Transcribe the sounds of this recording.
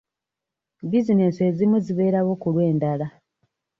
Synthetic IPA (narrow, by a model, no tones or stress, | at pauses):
bizinensezimuziβe̞ːɾawo̞kulwe̞ːndala